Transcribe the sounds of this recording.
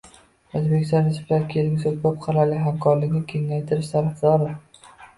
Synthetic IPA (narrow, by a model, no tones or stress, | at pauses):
ozbekʲɪ̥st̪ɒnɾɪsplaɾɪkʲʰelɪŋʲsobɒp̚qʰɑɾalɪɦamkʰɒɾlɪkʲnɪkʲʰeŋːajt̪ʰɪɾɪʃsaɾɪfzɒɾɪ